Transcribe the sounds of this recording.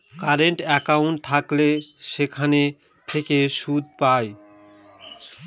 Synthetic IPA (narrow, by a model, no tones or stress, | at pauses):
kaɾeɳʈɛkawɳʈ̚t̪ʰakleʃekʰane | t̪ʰekeʃud̪̚paj